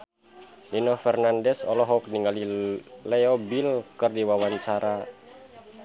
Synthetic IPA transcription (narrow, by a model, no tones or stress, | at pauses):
linɔfɛrnandɛsɔlɔɦɔk̚niŋalilɛɔbilkɨrdiwawaɲt͡ʃaɾʔa